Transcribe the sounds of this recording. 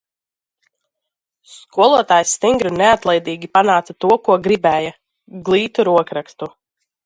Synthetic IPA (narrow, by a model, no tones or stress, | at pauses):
skuɔlˠuɔt̪aːjst̪iŋɡɾuneat̪lˠɛjd̪iːɡʲipanaːt̪sat̪uɔkuɔɡɾibɛːja | ɡlˠiːt̪uɾuɔkɾak̪t̪u